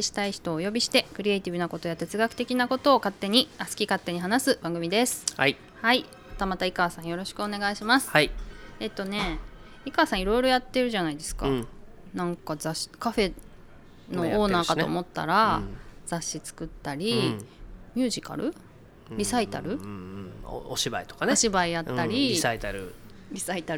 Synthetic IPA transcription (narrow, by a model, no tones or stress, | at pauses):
eɕi̥t̪aiçi̥t̪o̞ːjo̞bʲiɕi̥t̪e̞kɯ̟ɾʲie̞it̪ʲibɯ̟nako̞t̪o̞jat̪e̞t͡sɨɡakɯ̟t̪e̞kʲinako̞t̪o̞ːkat̪ːe̞ɲ̟iasɨ̥kʲikat̪ːe̞ɲ̟iɦanasɨbãŋɡɯ̟mʲid̪e̞sɨ̥i | hai | mat̪amat̪aikaːsãɰ̃jo̞ɾo̞ɕi̥kɯ̟o̞ne̞ɡaiɕimasɨ̥ | e̞t̪ːo̞ne̞ | ikaːsãiɾo̞iɾo̞jat̪ːe̞ɾɯ̟ʑanaid̪e̞sɨ̥ka̰ | nãŋkazaɕi̥kaɸe̞ | no̞oːnaːkat̪o̰ːmo̞t̪ːa̰ɾaz̥aɕːit͡sɨ̥kɯ̟t̪ːaɾʲi | mʲjɨ̟ːʑika̰ɾɯ̟ | ɾʲisait̪a̰ɾɯ̟̰ | oɕiba̰it̪o̥kaneoɕibaijat̪ːaɾʲisait̪aɾɯ | ɾʲisait̪a